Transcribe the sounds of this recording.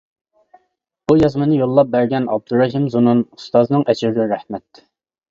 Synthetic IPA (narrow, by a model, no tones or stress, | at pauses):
b̥ujɑzmɨnɨjolˠːɑp̚bæɾɡʲɛnɑ̰b̚d̪uɾːɑɦimzununu̥st̪ɑznɨŋʔɛt͡ʃʰɪɾɡʲɛɾæhmɛt̪